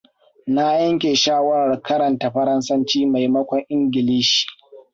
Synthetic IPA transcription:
na˦jɐ˦ŋkʲe˨ʃaː˦wɐ˦ɾa˨rkɐ˦ɾɐ˨nta˨ɸɐ˦ɾɐ˦nsɐ˦nt͡ʃiː˦ma˨jmɐ˦kʷɔ˨ŋʔɪ˦ŋɡʲɪ˨liː˦ʃi̥ː˨

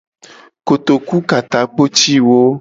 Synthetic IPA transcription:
ko˨t̪o˨ku˦ka˨t̪a˨k͡po˦t͡ʃi˦wo˦

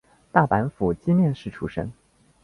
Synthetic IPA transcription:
t̪a˥˩pa˧˥nfu˨˩t͡ɕi˥mjɛ˥˧nʂɻ̩˥˩ʈ͡ʂʰu˧˥ʂə̰˥ŋ

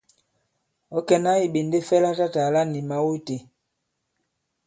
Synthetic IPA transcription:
ɔ˦kɛ˦na˦i˨ɓe˨nde˦fɛ˦la˦ta˦ta˨la˦ni˨ma˦wo˦te˨

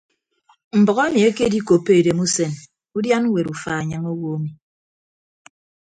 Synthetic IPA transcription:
m̩˨bɔ˨ɣe˦e˦mi˨e˦ke˦di˦ko˨pe˦e˨de˨mu˦se˨n | u˦dja˦n̩˦we˨ɾu˨fa˨a˨ɲa˦ŋo˦wo˦a˦mi˨

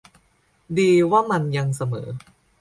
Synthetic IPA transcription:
diː˧waː˥˩ma˧nja˧ŋsa˧mɤ̰ː˩˦

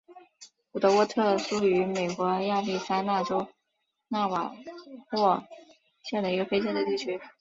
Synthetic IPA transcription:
pu˨˩t̪ɤ˧˥wɔ˥t̪ʰɤ˥˩ʂu˥y˧˥me˨˩ɪkwɔ˧˥ja˥˧li˥˩sa˥na˥˩ʈ͡ʂo˥ʊ | na˥˩wa̰˨˩xwɔ˥˩ | ɕjɛ˥˩nd̪ə˩i˧˥ɡə˧fe˥ɪt͡ɕjɛ˥nd̪ə˩t̪i˥˩t͡ɕʰy˥

